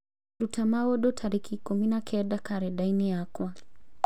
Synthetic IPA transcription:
ɾutamaɔɗɔtʰaɾikʰikuminakʰɛɗakaɾɛɗainɛakwa

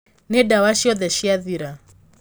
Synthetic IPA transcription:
nɛdawaʃiɔðɛʃiaðiɾa

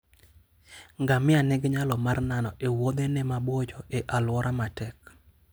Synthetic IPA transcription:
ŋɡamɪanɛɡɲalɔmarnanɔʔewod̪enɛmabwɔd͡ʒɔeʔalwɔɾʔamatɛk

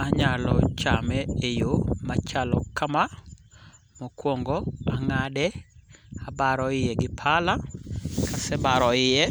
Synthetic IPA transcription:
aɲalɔt͡ʃamɛejomat͡ʃalɔkama | mokwɔŋɡɔaŋadɛ | abaɾɔɪjɛɡɪpʰalakʰasɛbaɾɔɪjɛ

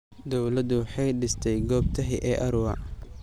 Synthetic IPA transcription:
d̪ɔwlɐd̪ʊwħɑjɖɪst̪ʰɛjɡɔːb̚t̪ʰɐɦiʔɛːʔɐɾʊwɐ

